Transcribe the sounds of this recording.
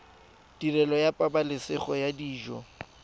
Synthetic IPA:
dʼirɛlɔjapʼabalɪsɪχɔjadiːʒɔ

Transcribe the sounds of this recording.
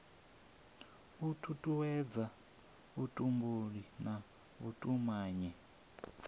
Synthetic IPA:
βutʰutʼuwɛd͡za | βutʼumbuɺina | βṵtʼumaːɲɛ

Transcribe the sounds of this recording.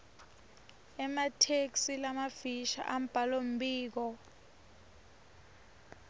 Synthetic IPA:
ɛmatʰeksilamafiʃa̰ʔam̩b̥ʱalom̩biːk̬ɔ

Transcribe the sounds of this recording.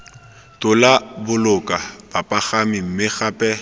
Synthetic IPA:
tʼʊlabʊlʊkʼabapʼaχamɪm̩mɪχapʼɛ

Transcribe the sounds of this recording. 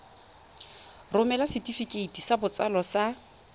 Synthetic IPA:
rʊmɛlasɪtʼifikʼeitʼisabʊt͡sʼalɔsa

